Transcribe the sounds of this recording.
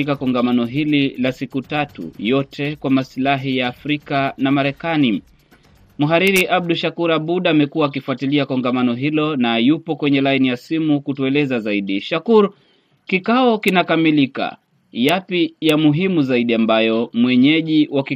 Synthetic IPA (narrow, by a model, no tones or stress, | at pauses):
ikakɔŋɡamanɔɦililasikutatṵjɔtʰɛkwamasilaɦijaːfɾikanamaɾɛkani | muɦaɾiɾiʔab̚ɗuʃakuɾaɓuɗamɛkuaːkifuatiliakɔŋɡamanɔɦilɔnajupɔkwɛɲɛlainijasimukutuɛlɛzazaiɗiʃakuɾ | kikaɔkinakamilika̰ | japijamuɦimuzaiɗiambajɔmwɛɲɛʄiwaki